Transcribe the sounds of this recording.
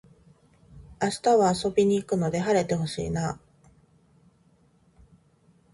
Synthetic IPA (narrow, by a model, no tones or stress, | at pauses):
aɕi̥t̪aβaːso̞bʲiɲ̟iːkɯ̟no̞d̪e̞ɦaɾe̞t̪e̞ho̞ɕḭːna